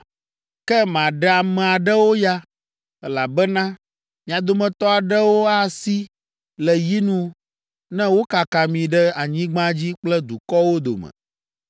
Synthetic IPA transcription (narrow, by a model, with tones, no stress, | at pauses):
kɛ˦mã˨ɖɛ˦a˨mɛ̃˨a˨ɖɛ˦wo˦ja˦ | ɛ˦la˨bɛ˦nã˦ | mĩ˨a˨d̪o˨mɛ̃˨t̪ɔ˦a˨ɖɛ˦wo˦a˦si˦ | lɛ˨ji˦nũ˦ | nɛ̃˦wo˦ka˨ka˨mĩ˨ɖɛ˦a˨ɲĩ˦ɡ͡bã˦d͡ʑi˦k͡plɛ˦d̪u˨kɔ˦wo˦d̪o̰˨mɛ̰̃˨